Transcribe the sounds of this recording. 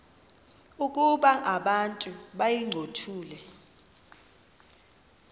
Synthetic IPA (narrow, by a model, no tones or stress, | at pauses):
ukʼuɓaʔaɓantʼuɓajiŋ͡ǀʱotʰuːlɛ